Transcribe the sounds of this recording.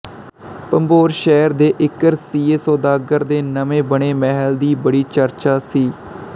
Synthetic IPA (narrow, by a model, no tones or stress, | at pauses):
pəmboːɾʃɛːɾd̪eːʔɪkəɾsiːeːsoːd̪aːɡəɾd̪eːnəmẽːbəɳeːmɛɦəld̪iːbəɽiːt͡ʃəɾt͡ʃaːsiː